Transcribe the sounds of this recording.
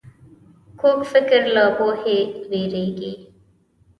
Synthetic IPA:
kʰoːkfɪkəɾlaːboːheːʋeːɾeːɡeː

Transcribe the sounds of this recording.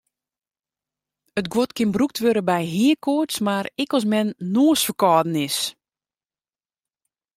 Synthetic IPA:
ətɡwotkʰɪnbruk̚tʋøɾəbɛjɦiəkʰoəsmaɾɪkɔs̬mɛnːoːsfəkɔːdn̩ɪs

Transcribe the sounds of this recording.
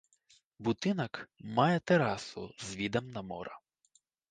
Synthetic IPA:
bʊt̪ɪnɐkmɑjɛt̪eɾɑsʊzʋʲid̪ɐmnɐmɔɾɐ

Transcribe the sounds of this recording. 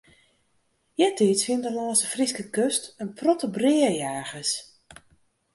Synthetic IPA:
jɛtiːsfɪəndəlɔːsəfriskəkøstənprɔtəbrɪːəjaːxəs

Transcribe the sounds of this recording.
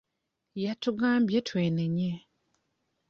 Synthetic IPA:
jatuɡaːmbjetʰweːneɲe

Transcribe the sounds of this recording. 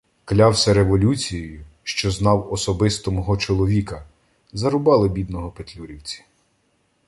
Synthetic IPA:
klʲɑwsʲɛɾeʋɔlʲut͡sʲijjʊʃt͡ʃɔznɑwɔsɔbɪst̪ɔmɔɦɔt͡ʃɔlˠɔʋʲikɐ | zɐɾʊbɑlˠɪbʲid̪nɔɦɔpet̪ʲlʲuɾʲiwt͡sʲi̥

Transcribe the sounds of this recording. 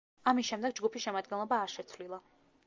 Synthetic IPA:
amisʃɛmd̪ɛɡ̚d͡ʒɡupʰisʃɛmad̪ɡɛnlˠɔbaːɾʃɛt̪sʰvlilˠa

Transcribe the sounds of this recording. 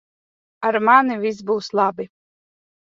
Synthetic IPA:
aɾmanivʲis̬buːslˠabi

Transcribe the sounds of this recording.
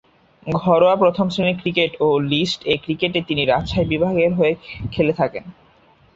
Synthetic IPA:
ɡʱɔɾoapɾot̪ʰomsinikɾikeʈolisʈekɾikeʈet̪iniɾaʃʰajbibʱaɡeɾɦoekʰelet̪ʰaken

